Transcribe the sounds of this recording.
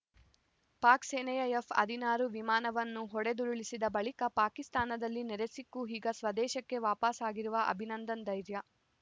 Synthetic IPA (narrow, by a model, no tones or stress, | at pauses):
paːkseːnɐjɐjefɐ̰d̪ʱinaːɾuʋimaːnɐʋɐnːuɦɔɽe̞d̪uɾuɭisid̪ɐbɐɭikɐpaːkist̪aːnɐd̪ɐlːinɛɾe̞sikːuɦiːɡɐsʋɐd̪ɛːʃɐkːe̞ʋaːpasaːɡiɾuʋɐʔɐ̰bʱinɐnd̪ɐnd̪ɐjɾjɐ